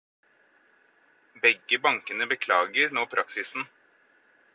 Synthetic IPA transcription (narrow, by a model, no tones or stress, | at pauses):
bɛɡːəbɑŋkənəbəkʰlɑːɡəɾnoːpʰɾʔɑksɪsn̩